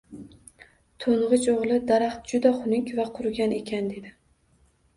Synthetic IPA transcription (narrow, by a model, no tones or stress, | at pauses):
t̪ʰoɴʁɨt͡ʃoʁlˠɪd̪aɾaχt̪̚d͡ʒʊd̪aχʊnɪŋkʲvaqʰʊɾɡʲane̞kʲʰand̪e̞d̪ɪ